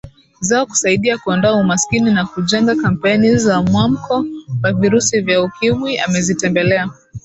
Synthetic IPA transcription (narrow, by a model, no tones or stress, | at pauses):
zaɔku̥saiɗiakuandɔaumaskininakuʄɛŋɡakam̩pɛnizamwam̩kɔwaviɾusivjaukimwia̰mɛzitɛmbɛlɛa